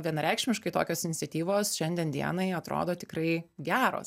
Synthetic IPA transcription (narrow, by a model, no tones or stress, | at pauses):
ʋʲiɛnɐɾʲɛˑɪkʃʲmʲɪʃkɐɪt̪oːkʲoːsɪnʲɪt̪sʲɛt̪ʲiːʋoːsʃʲɛnʲd̪ʲiɛnd̪ʲḭɛnɐɪɐt̪ɾo̰ːd̪oːt̪ʲɪkɾɐɪɡʲæːɾo̰ːs